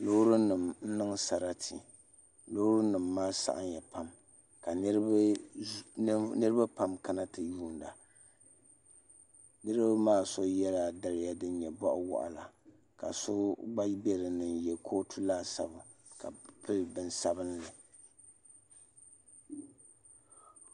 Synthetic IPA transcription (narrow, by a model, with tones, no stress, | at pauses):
lo˦ɾu˦nɨ˨mn̩˦nɨ˦ŋ˦sa˨ɾa˦tʰi˨ | lo˦hɾu˦nɨ˨mːaː˦sa̰˨ʔa˦ɲjɛ˨pa˦m | ka˨n˦ɾb | nɨ˦ɾɨ˦ba˦pa˦mka˦na˦tɨ˨juː˦n˨da˨ | nɨ˦ɾɨ˦ba˦maː˦so˦jɛ˦la˨da˨ɾɪ˨ja˦dɨ˦n˦ɲɛ˨bɔ˦ʔʊ˦wʊ̰˦˨ʔʊ̰˨la˨ | ka˨so˦ɡ͡ba˦bɛ˦ɾɨ˨nɨ˨njɛ˨kʰoː˦tʰu˦laː˦˨sa˨bʊ˨ | ka̰˨pɨ˦lbɨ˨nsa˦bɨ˦n˦lɨ˨